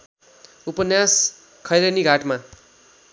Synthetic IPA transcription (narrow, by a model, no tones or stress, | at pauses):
upʌnjas | kʰʌjɾʌniɡʱaʈma